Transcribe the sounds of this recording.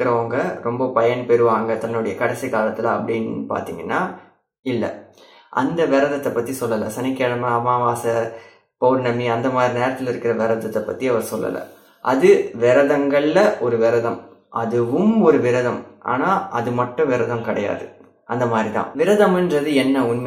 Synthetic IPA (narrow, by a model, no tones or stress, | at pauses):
ɪɾɐʋɐŋɡɐɾɔmbɐpɐjɐɳpɛɾɯʋaːŋɡɐt̪ɐnːɯɽɐjɐkɐɽɛsikaːlɐt̪ːɪlɐɐpːɐɽinːpa̰ːɾt̪ḭːŋɡɐnːaː | ɪlːɐ̰ | ʔɐ̰nd̪ɐʋɪɾɐðɐt̪ːɐpːɐt̪ːisɔlːɐlɐ̰sɐnɪkːeɭɐmɐɐmaːʋaːsɐ | poːɾnɐmːiɐnd̪ɐmaːd̪ɾineːɾɐt̪ːɪlɪɾɯkːɪɾɐʋɪɾɐðɐt̪ːɐpːɐt̪ːiɐʋɐɾsɔlːɐ̰lɐ̰ | ʔɐðɯʋɪɾɐðɐŋɡɐɭːɐʔɔɾɯʋɪɾɐðɐm | ʔɐðɯʋɯmɔɾɯʋɪɾɐðɐmʔa̰ːnaːʔɐðɯmɐʈːɯ̃ʋɪɾɐðɐmkɐɽɐja̰ːðɯ | ʔɐnd̪ɐmaːd̪ɾit̪ã̰ːʋɪɾɐðɐmɛndrɐðɯɛnːɐʊnm